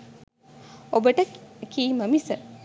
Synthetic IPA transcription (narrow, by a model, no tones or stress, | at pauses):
obəʈəkiːməmisə